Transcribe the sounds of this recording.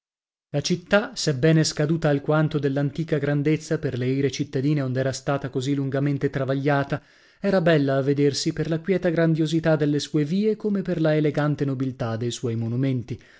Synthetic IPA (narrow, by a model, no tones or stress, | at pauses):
lat͡ʃit̪ːasɛbːɛːneskad̪uːt̪aːlkwant̪od̪elːant̪iːkaɡɾand̪et̪sːaperleiːɾet͡ʃit̪ːad̪iːneond̪ɛːɾast̪aːt̪akozilːuŋɡament̪et̪ɾavaʎːaːt̪a | ɛːɾabɛlːaːvːed̪ersiperlakwjɛːt̪aɡɾand̪jozit̪ad̪elːesuːeviːekomeperlaeleɡant̪enobilt̪ad̪ejswɔjmonument̪i